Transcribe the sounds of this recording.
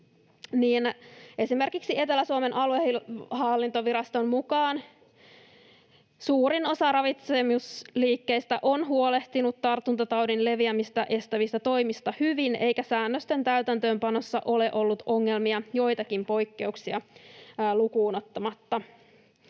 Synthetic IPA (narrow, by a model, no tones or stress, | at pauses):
niːnʔe̞sime̞rkiksie̞t̪elæsuomenʔɑlueihɑlːint̪oʋiɾɑst̪ommukɑːn | suːɾino̞sɑrɑʋit̪semusliːkːe̞ist̪æʔo̞nɦuole̞ht̪inut̪t̪ɑrt̪ːunt̪ɑt̪ɑwdinle̞ʋiæmist̪ɑʔe̞st̪æʋist̪æt̪o̞jmist̪ɑhyʋine̞jkæsæːnːøst̪e̞nt̪æyt̪ænt̪øːmpɑno̞sːɑʔo̞leʔo̞lːut̪o̞ŋːe̞lmiɑjo̞jt̪ɑkimpo̞jkːe̞uksiɑ | lukuːnot̪ːɑmɑt̪ːɑ